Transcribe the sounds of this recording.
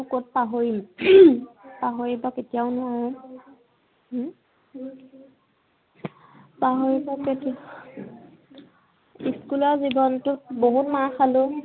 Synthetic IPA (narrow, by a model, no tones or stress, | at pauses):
kot̚paɦoɹim | paɦoɹibɔketijaʊnʊwaɹɔ | paɦoɹibɔketi | iskulɔɹzibɔntʊt̚boɦutmaxalʊ